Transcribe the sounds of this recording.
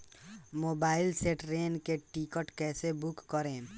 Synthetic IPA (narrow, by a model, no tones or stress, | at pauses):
moːbaːɪlseːʈɾeːnkeʈikəʈkɛːsebʊkːəɾẽː